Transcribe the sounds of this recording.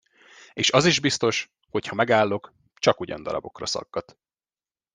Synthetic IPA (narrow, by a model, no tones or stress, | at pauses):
eːʃɒziʒbist̪o̞ʃ | ho̞chɒmɛɡaːlːo̞k | t͡ʃɒkuɟɒ̰nd̪ɒɾɒbo̞krɒsɒ̰ɡːɒt̪